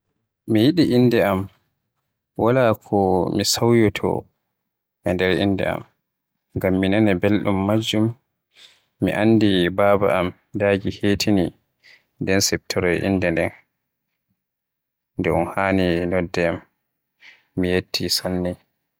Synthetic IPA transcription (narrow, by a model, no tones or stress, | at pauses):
mijiɗiʔinːdɛam | walakʰɔmisawjɔtʰɔ̰ | ʔɛndɛɾʔḭndɛ̰a̰m | ŋɡamːinanɛbelɗumːad͡ʒːum | ḭʔandibaba̰ʔam | daːɡiheːtʰini | ndɛnsɛp̚tʰɔɾɔjʔḭndɛndɛn | ndɛṵnhaːninɔdːɛam | ijetːisanːi